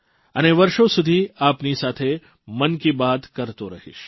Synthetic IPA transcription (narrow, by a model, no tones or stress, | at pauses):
ɐ̰neʋɐɾʃõsʊd̪ʱiaːpnisaːt̪ʰe | mɐnkibaːt̪kɐɾt̪oɾɐ̰ɦḭʃ